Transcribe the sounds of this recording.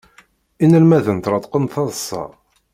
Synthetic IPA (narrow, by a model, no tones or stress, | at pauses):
inəlmæðənt̪ɾˤɑt̪ˤqənθɑðsˤːɑ̰